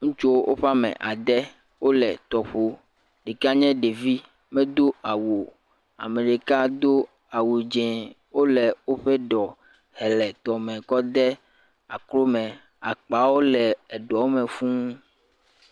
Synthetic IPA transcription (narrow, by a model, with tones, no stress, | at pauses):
ŋũ˦t͡ʃo˦wʔo̰˦ɸa˦mɛ̰̃˨ʔa˨d̪ɛ˦ | wo˦lɛ̰˨t̪ɔ˨ɸo˦ | ɖe˨ka˦ɲɛ̃˦ɖe˨vi˦ | mɛ̃˦d̪o˦a˨wo˨ | a̰˨me˨ɖe˨ka˦d̪o˦ | a˨wu˨d͡ʒɛ̃˨ | wo˦lɛ˨wo˦ɸe˦ɖɔ˨ | hɛ˨lɛ˨t̪ɔ˨mɛ̃˨kɔ˦d̪ɛ˦ | a˨klo˦mɛ̃˨ | a˨k͡pa˨wo˦lɛ˨ɛ˨ɖɔ˨˦mɛ̃˨fũ˦